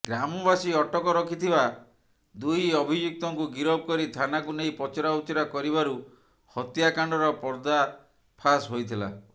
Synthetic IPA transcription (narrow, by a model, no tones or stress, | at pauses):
ɡɾamɔbasiɔʈɔkɔɾɔkʰit̪ʰiba | d̪ujɔbʱid͡ʒuk̚t̪ɔŋkuɡiɾɔb̚kɔɾit̪ʰanakunejpɔt͡ʃɔɾaut͡ʃɔɾakɔɾibaɾu | hɔt̪jakaɳɖɔɾɔpɔɾd̪a | pʰasɦojt̪ʰila̰